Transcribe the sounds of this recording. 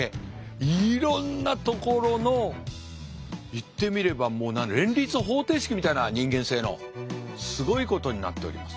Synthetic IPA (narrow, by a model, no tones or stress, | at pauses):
e | iɾõnːat̪o̞ko̞ɾo̞no̞ | it̪ːe̞mʲiɾe̞bamo̞ːnãnɾẽ̞nɾʲit͡sɨɦo̞ːt̪e̞ːɕi̥kʲimʲit̪ainaɲ̟ĩŋɡẽ̞se̞ːno̞̰ | sɨɡo̞iko̞t̪o̞ɲ̟ina̰t̪ːe̞o̰ɾʲḭmasɨ̥